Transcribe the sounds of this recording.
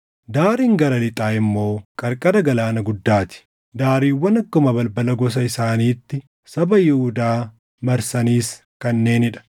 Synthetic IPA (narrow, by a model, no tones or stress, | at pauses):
d̪aːɾiːŋɡɐɾɐlɪt̪ʼaːɪmːo̞ːkʼɐɾkʼɐd̪ɐɡɐlaːnɐɡʊd̪ːaːt̪ɪ̥ | d̪aːɾiːwːɐnɐkːʊmɐbɐlbɐlɐɡɔs̬ɐɪsaːniːt̪ːɪ | sɐbɐjɪhʊd̪aː | mɐɾsɐniːs | kɐnːe̞ːnɪᶑɐ̥